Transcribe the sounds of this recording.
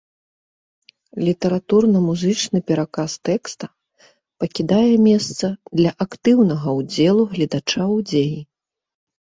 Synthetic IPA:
lʲit̪ɐɾat̪urnɐmuzɨt͡ʂnɨpʲɛɾakast̪ɛkst̪ɐ | pɐkʲid̪ajɛmʲɛst̪sɐd̪lʲɐʔakt̪ɨwnɐɣɐwd͡zʲɛlˠuɣlʲid̪at͡ʂawd͡zʲeji

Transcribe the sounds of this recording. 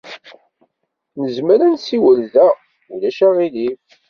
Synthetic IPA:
nəzməɾænsiwəlðæ | ulæʃæʁilif

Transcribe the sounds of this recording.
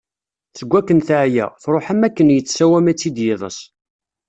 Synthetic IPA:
θəɡʷːækːənθʕjæ̰θɾˤoħæmækːənjət͡sːsæwæmæt͡sːid̪jɪðˤə̰s

